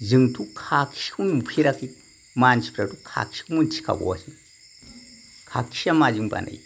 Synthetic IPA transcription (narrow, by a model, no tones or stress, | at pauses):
zɨŋtʰukʰakʰi̥ʃkunmupʰiɾaki | mant͡ʃi̥pɾatukʰa̰ki̥kumunt͡ʃi̥ka̰bṵwa̰si | kʰaki̥ʃamad͡ʒiŋba̰na̰j